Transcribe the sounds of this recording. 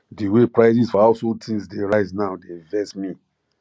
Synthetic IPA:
diwepɹaɪzisfɔaʊsotʰĩŋsdeɹaɪznaʊdevɛsmi

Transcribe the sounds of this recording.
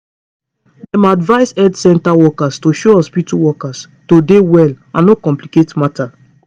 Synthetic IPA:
dɛ̃madvaɪsɛdsɛ̃ntawɔkastoʃoɔspituwɔkas | todewɛl | ãnnokɔ̃mpliketmatʰa

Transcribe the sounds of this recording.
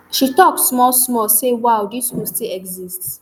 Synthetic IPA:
ʃitɔksmɔlsmɔsewawdismustilɛɡzist

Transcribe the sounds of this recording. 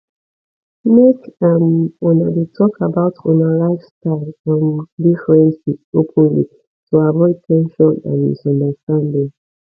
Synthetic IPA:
mekamɔ̃nawitʰɔkabaʊtʰɔ̰̃nalaɪfstaɪlãndifɹɛ̃nsiopʰə̃nlḭ | tʰuavɔɪd̚tʰɛ̃nʃɔ̃nã̰nḭzɔ̃ndəstãndĩŋ

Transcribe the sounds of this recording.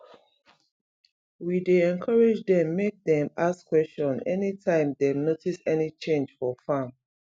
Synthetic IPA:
wideɛ̃nkʰʌɹed͡ʒdɛ̃mːek̚dɛ̃maskwɛst͡ʃɔ̃nɛ̰nitʰãɪ̃mdenotisɛnit͡ʃẽnd͡ʒfɔfãm

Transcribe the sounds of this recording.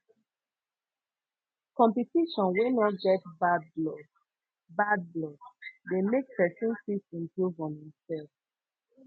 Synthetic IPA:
kɔ̃mpitiʃɔ̃nwenɔtɡɛtbadlɔ | bad̚blɔdemek̚pɛsĩnsisĩmpɹuvɔ̃nhĩmsɛlf

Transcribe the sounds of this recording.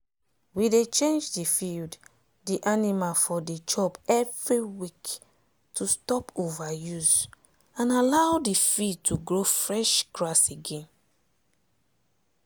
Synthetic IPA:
widet͡ʃẽnd͡ʒdifild | diʔanimafɔdit͡ʃɔbɛvɹiwik | tʰustɔpovajuz | ãnalawdifid̚tʰuɡɹofɹɛʃɡɹaseɡẽn

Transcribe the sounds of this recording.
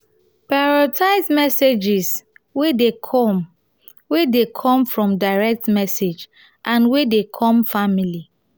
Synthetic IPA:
paɹɔtʰaɪsmɛsed͡ʒis | wedekʰɔ | wedekʰɔ̃mfɹɔ̃mdaɪɹɛk̚tmɛsed͡ʒ | ʔãnwedekʰɔ̃mfamili

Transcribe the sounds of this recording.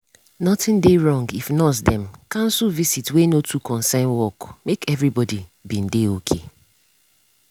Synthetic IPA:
nɔtɪ̃ndeɹɔ̃ŋɡifnɔtdɛ̃mkãn̩suvisitwenotʰukʰɔ̃nsɛ̃nwɔkmekɛvɹibɔdibĩn̩deokʰe

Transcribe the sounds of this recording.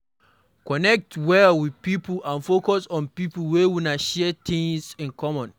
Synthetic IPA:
kɔnɛk̚twɛwiðpiplʔãnfokɔsɔ̃npiplwɛwinaʃɛtĩŋsĩnkɔmɔ̃n

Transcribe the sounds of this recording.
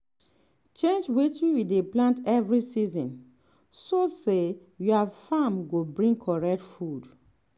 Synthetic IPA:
t͡ʃẽnd͡ʒwit͡ʃuwideplãntɛvɹisizɔ̃n | sose | juavfamɡobɹĩŋɡkʰɔɹɛk̚tfud

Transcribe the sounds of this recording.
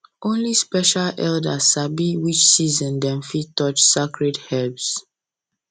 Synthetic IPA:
ʔõnlispɛʃalɛldasabiwit͡ʃsizɔ̃ndɛ̃mfitɔt͡ʃsakɹɛdhɛbs

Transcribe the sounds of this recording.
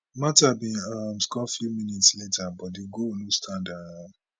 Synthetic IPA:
matabĩamskɔfumĩnitsletabɔdiɡoonũstʰãnda

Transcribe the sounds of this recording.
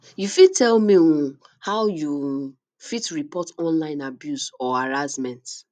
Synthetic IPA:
jufid̚tʰɛlmiũ | hawju | fitɹipɔtɔ̃nlãɪ̃nabjusɔaɹazmɛ̃nt

